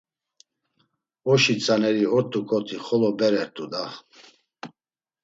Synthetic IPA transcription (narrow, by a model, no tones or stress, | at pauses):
ɔʃit͡sʼanɛɾiɔɾt̪ʼukʼɔt̪ʰiχɔlɔbɛɾɛɾt̪ʼud̪a